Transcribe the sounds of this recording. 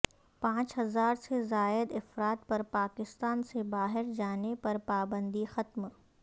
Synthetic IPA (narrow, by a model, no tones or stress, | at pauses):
pãːt͡ʃɦɐzaːɾsezaːɪd̪ɪfɾaːt̪̚pɐɾpaːkɪst̪aːnsebaːɦɪɾd͡ʒaːnepɐɾpaːbə̃nd̪ixɐt̪m